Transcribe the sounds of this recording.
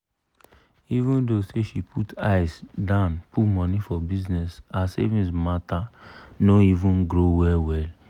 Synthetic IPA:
ivũndoseʃipʰutʰa̰ɪsdãʊ̃npʰumɔ̃nifɔbiznɛsasḛvĩsmatanoivũnɡɹowɛlwɛl

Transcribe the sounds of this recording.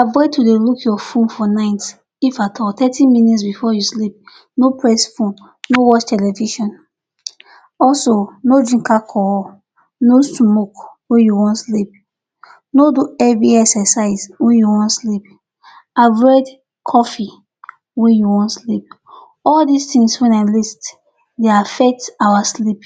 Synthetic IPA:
abɹɛtudelukʰjɔfũnfɔnãɪ̃t | ifatʰɔtɛtʰĩmĩnitsbifɔjuslip̚ | nopʰɹɛsfũn | nowɔt͡ʃtʰɛlɛviʃɔ̃n | ɔlsonodɹĩŋkakʰɔ | nosmokwɛ̃njuwɔ̃ntslip̚ | noduɛbiɛksɛsaɪswɛ̃njuwɔ̃ntslip | abɹɛd | kʰɔfi | wɛ̃njuwɔ̃ntslip̚ | ɔldistĩŋswɛ̃nalist | deafɛk̚tawaslip

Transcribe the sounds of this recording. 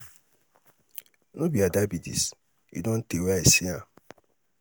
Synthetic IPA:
nobiadabidḭs | ḭdon̩tewaesia

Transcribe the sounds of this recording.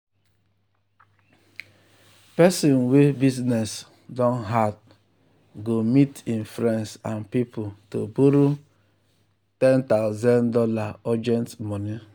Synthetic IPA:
pɛsɔ̃nwebiznɛs | dɔ̃nɦad | ɡomitinfɾɛ̃nsanpiputo̰buɾu | tɛ̃ntaʊzãndɔlaɔd͡ʒɛ̃ntmɔni

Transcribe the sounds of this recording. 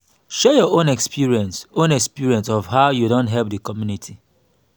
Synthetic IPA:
ʃɛjɔõnɛkspiɹiɛ̃nsõnɛkspiɹiɛ̃nsɔvɦaʊjudõntɦɛlp̚dəkɔmjunitʰi

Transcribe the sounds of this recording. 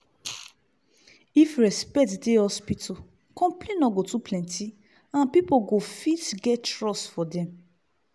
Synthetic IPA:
ifɹɛspɛk̚tdehɔspitʰo | kɔ̃mplẽnɔɡotupʰlɛ̃ntʰi | ãnpipoɡofitɡɛttɹɔsfɔdɛ̃m

